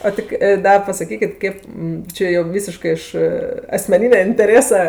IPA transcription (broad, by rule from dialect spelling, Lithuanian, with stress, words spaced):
oː ˈtʲɪ kʲɪ ˈdɐ pɐsɐˈkʲiːkʲɪt ˈkʲeːp ˈt͡ʃʲɛ joː ˈʋʲiːsʲɪʃkɜ ɪʃ ɐsʲmʲɛˈnʲɪnʲɛ ɪnʲtʲɛˈrʲeːsɐ